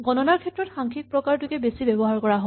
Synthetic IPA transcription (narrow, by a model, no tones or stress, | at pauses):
ɡɔnɔnaɹkʰɛtɹɔtxaŋkʰik̚pɹɔkaɹtukɛbesibɛbɔɦaɹkɔɹaɦo